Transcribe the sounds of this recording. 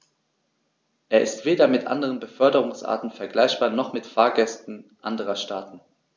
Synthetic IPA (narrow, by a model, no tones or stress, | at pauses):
ʔeːɐʔɪ̰stv̥eːdɐmɪtʔa̰ndəʁənbəfœɐdəʁ̞ʊŋsʔa̰ːɐtn̩fɛɐɡlaɪçb̥aːɐnɔχmɪtfaːɐɡɛstn̩ʔandəʁɐʃtaːtn̩